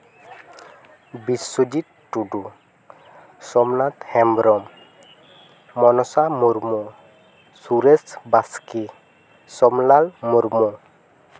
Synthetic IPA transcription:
bisːod͡ʒit̪ːudu | sɔmnat̪hɛmbɾɔm | mɔnɔsamuɾmɔ | suɾesbaski | sɔmlalmuɾmɔ

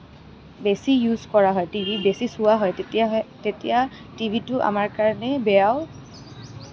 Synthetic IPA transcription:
besijuzkɔɹaɦɔjtibʱibesisʊwaɦɔjtetija | tibʱitʊʔa̰maɹkaɹɔnɛbɛjaw

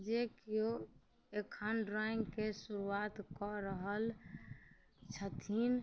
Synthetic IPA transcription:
d͡ʒekijo | ekʰənɖɾaĩŋɡkesuɾuat̪kɔɾəɦəl | t͡ʃʰət̪ʰin

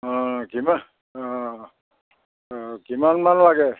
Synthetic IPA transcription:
kima | kimanmanlaɡɛ

